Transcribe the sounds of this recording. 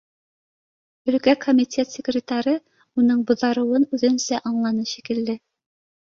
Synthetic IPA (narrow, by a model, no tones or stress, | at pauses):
ɵ̆lkækʰomʲitʲet̪sʲɪkrʲɪt̪aɾɤ | unɤɴbŏðɑɾɤ̆wɤnʉðɘ̆nsæʔɑɴlˠɑnɤʃikɘ̆lːɘ